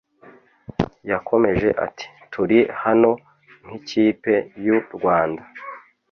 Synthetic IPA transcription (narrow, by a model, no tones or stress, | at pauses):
jakʰo̞me̞ʒe̞̰ʔa̰tʰi̥tʰuɾihano̞ | ŋ̥hiciːpe̞juɾɡwaːnda